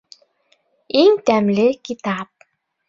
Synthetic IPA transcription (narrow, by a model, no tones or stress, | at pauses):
iŋt̪æmlekit̪ɑp̚